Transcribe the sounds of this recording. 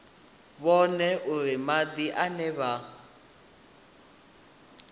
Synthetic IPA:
βɔnɛʔuɾimad̪iʔanɛβa

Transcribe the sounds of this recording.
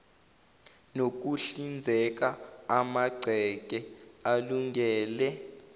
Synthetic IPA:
nok̬uɬind͡zʱɛk̬aamaɡ͡ǀʱɛk̬ʼɛaluŋɡɛːlɛ

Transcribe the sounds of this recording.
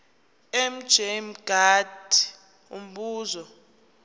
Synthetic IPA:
ɛm̩̥ʒ̥ʱem̩ɡ̥ʱad̥ʱi̥ | ṵm̩ɓuːzɔ

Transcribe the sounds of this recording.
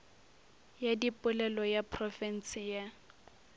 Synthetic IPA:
jadipʊlɛlɔjapʰrɔfɛn̩sɪja

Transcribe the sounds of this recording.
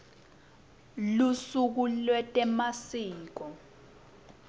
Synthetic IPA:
lusuk̬ulwɛtʼɛmasiːk̬ɔ

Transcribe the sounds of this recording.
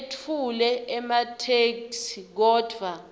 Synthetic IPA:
tʰulɛɛmatʰeksik̬ɔːd̥ʱwa

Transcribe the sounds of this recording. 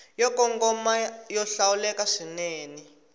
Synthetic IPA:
jɔkɔŋɡɔmajɔɬawulɛkaʂineːni

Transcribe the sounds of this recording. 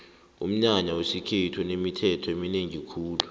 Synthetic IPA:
ṵm̩ɲaɲawesikʰetʰunemitʰɛtʰɔemineŋikʰuːlu

